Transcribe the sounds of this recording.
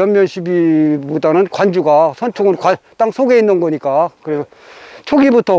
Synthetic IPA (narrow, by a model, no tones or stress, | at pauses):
ʌmmjʌnɕʰibibudanɯnkwand͡ʑuɡasʰʌnt͡ɕʰoɡɯnkat͈aŋsʰoɡe̞inːɯnɡʌɲik͈akɯɾisʌ | t͡ɕʰoɡibutʰʌ